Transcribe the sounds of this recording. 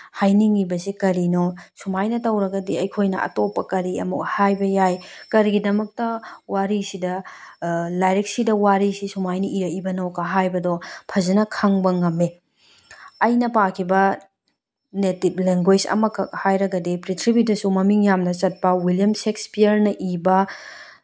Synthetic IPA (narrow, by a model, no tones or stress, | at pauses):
hajniŋibɐsikɐɾinosumajnɐtɐwɾɐɡɐdiɐjkʰojnɐ̰ʔɐ̰topːɐkɐɾiɐ̰muk̚hajbɐjajkɐɾiɡidɐmɐk̚tɐwaɾisidɐ | lajɾek̚sidɐwaɾisisumajniʔiɾɐibɐnokːɐɦajbɐdopʰɐzɐnɐkʰɐŋbɐŋɐmːe | ɐjnɐpakʰibɐ | netip̚leŋɡwed͡ʒɐ̰mɐkɐhajɾɐɡɐdipɾitʰɾibitɐsumɐmiŋjamnɐt͡ʃɐt̚pɐwiljɐmsekspiɐɾnɐʔibɐ